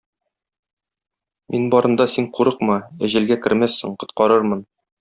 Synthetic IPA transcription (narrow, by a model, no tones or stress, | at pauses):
mʔinbɒɾʔɤ̆nd̪ɑsiɴquɾɤqmɤæʑɘ̆lɡækɘ̆ɾmæsːɘ̰ɴqŏt̪qɑɾɤɾmɤn